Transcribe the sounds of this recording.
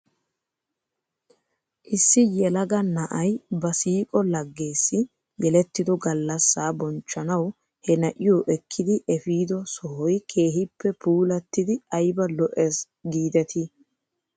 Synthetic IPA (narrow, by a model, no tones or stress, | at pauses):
ʔɪsːɪjɛlɐɡɐnɐʔɐjbɐsiːkʼɔlɐɡːe̞ːsːɪ | jɛlɛt̪ːɪd̪ɔɡɐlːɐsːaːbɔnt͡ʃːɐnɐw | hɛnɐʔɪjɔːʔɛkʰːɪd̪ɪʔɛfiːd̪ɔsɔhɔjkʰe̞ːɦɪpːɛpʰuːlɐt̪ːɪd̪ɪɐjbɐlɔʔɛs | ɡiːd̪ɛt̪ʰɪ